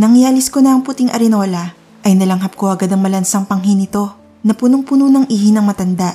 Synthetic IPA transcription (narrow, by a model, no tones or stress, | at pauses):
nɐŋjalɪskonɐɐŋput̪iŋʔɐ̰ɾɪno̞lɐ | ʔɐjnɐlɐŋɦɐp̚ko̞ʔɐɡad̪ɐŋmɐlɐnsɐŋpɐŋɦinɪt̪o̞ | nɐpunoŋpunonɐŋʔiːhinɐŋmɐt̪ɐnd̪aʔ